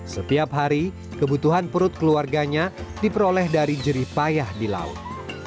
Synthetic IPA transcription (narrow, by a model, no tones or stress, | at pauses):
sət̪iapɦaɾi | kəbut̪uɦanpəɾʊt̪̚kəluarɡaɲadipəɾolɛhdaɾid͡ʒəɾipajahdila̰ʊ̰t̪̚